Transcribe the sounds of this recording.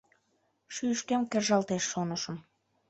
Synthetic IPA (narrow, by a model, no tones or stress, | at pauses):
ʃyʃk̪emkerʒɑlt̪eʃːonəʃə̆m